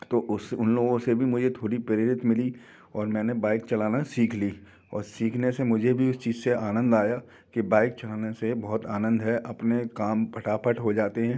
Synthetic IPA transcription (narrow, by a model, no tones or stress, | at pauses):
t̪oːʔʊsʊnloːɡõsebʱimʊd͡ʒʱet̪ʰoːɽipɐɾɪɾɪt̪mɪli | ɔːɾmɛ̃ːnebaːɪkt͡ʃɐlaːnasiːkʰliː | ɔːɾsiːkʰnesemʊd͡ʒʱebʱiʊst͡ʃiːzseaːnə̃nd̪aːja | kibaːɪk̚t͡ʃɐlaːnesebɔɦʊt̪aːnə̃nd̪ɦɛʔɐpnekaːmpʰɐʈaːpʰəʈɦod͡ʒaːt̪eɦɛ̃ː